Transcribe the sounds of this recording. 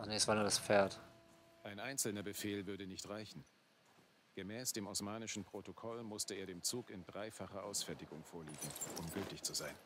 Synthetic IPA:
ʔaχnesv̥aːnuɐdasfeːɐtʔaɪnʔaɪnt͡sl̩nɐbəfeːlvʏɐdənɪçtʁaɪçn̩ | ɡ̥əmɛːsd̥eːmɔsmaːnɪʃn̩pʁ̥otokʰɔlmʊstəeːɐɾeːmt͡suːkɪndʁaɪfaχɐʔaʊsfɛɐtɪɡʊŋfoːɐliːɡŋ̩ʔʊmɡʏltɪçt͡suzaɪn

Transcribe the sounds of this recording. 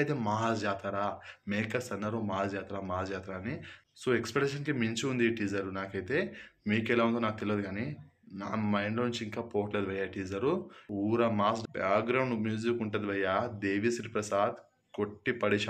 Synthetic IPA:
jt̪eːmaːsd͡ʒaːt̪aːɾaːmeːkɐsɐnːɐɾoːmaːsd͡ʒaːt̪aːɾaːmaːsd͡ʒaːt̪ɾaɐnisoːekspeʈːeʃɐnkimiɲt͡ʃiund̪iʈiːd͡ʒɐɾunaːkɐjit̪e̞ːmiːkɛlaːʋund̪unaːk̚t̪elʋɐd̪iɡaːni | naːmɐjnloːnuɲt͡ʃiiŋkaːpoːɐʈleːd̪ʋɐjːaːʈiːd͡ʒɐɾuuːɾɐmaːsbaːkɡɾɐwɳɖmjuːd͡ʒikuɳʈeːd̪iʋɐjːaːd̪eːʋisɾiːpɾɐsaːd̪ | koʈːipɐɽiʃ

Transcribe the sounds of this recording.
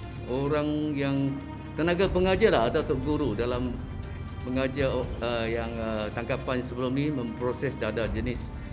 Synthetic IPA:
oɾaŋjaŋ | t̪ənaɡapəŋad͡ʒalaat̪at̪uʔɡuɾudalam | pəŋad͡ʒaəjaŋət̪aŋkapansəbəlumnimə̃mpɾosɛsdadad͡ʒənɪs

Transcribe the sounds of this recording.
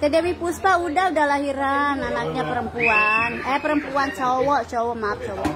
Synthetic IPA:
t̪ɛdɛwipuspaudaudahlaɦiɾananak̚ɲapəɾəmpuanɛpəɾəmpuant͡ʃɔwɔʔt͡ʃɔwɔmap̚t͡ʃɔwɔ

